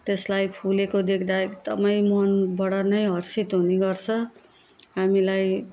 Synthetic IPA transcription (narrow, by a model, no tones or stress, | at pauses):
t̪eslajpʰulekod̪ekʰd̪akt̪ʌ̰paĩmʌnbʌɽʌnʌjɦʌrsit̪ɦuniɡʌrt͡sʰʌ | ɦamilaj